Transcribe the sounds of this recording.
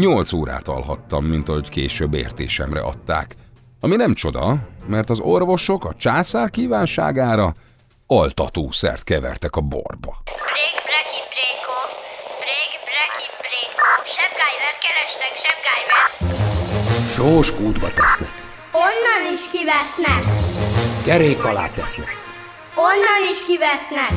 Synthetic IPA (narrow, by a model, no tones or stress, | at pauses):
ɲo̞lt̪soːɾa̰ːt̪ɒ̰lɦɒt̪ːɒmːint̪ɒɦo̞ckeːʃøbːḛːrt̪ḛːʃɛmrɛ̰ʔɒt̪ːa̰ːk | ɒminɛmt͡ʃo̞d̪ɒmɛrt̪ɒzo̞rvo̞ʃo̞kɒt͡ʃaːsaːrkiːvaːnʃa̰ːɡaːɾɒ | ɒlt̪ɒt̪oːsɛ̰rt̪kɛvɛ̰rt̪ɛkɒbo̞̰rbɒb̥ɾeːɡbrɛkipreːkobreːɡbrɛkibreːkoʃɛb̚ɡaːjvɛrt̪kɛɾɛʃt̪ɛkʃɛb̚ɡaːjvɛr | ʃoːʃkuːd̪bɒt̪ɛsnɛk | onːɒniʃkivɛsnɛk | kɛɾeːkːɒla̰ːt̪ːɛsnɛk | onːɒniʃkivɛsnɛk